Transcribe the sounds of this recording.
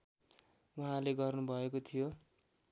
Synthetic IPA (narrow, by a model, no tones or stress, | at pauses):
uɦãleɡʌrnubʱʌekot̪ʰijo